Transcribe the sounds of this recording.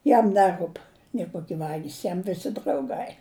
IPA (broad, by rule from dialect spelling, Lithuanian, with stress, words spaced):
ˈjɛm ˈnʲæːˌruːp nʲeː ˈkoːkʲɪ ˈʋɑːɡʲiːs ˈjɛm ˈʋʲɪsʲɪ drɐʊˈɡɐɪ